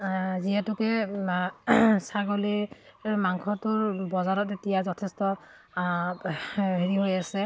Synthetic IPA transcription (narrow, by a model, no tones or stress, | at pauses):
ziɦɛtʊkɛ | saɡoli | maŋkʰɔtʊɹbɔzaɹɔt̚etijazɔtʰɛstɔ | ɦeɹiɦojasɛ